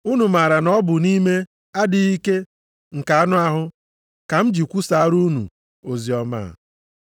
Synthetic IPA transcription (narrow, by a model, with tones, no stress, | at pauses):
u˦nu˨ma˨ɾa˨nɔ˦bʊ˨ni˦me˦ | a˦dɪ˨i˦ke˦ | ŋ̩˨ka˨a˦nʊ˦a˦ɦʊ˦ | ka˨m̩˦d͡ʒi˨kʷu˦sa˨a˦ɾu˦nṵ˨ | o˨zi˨ɔ˦ma̰ː˦˨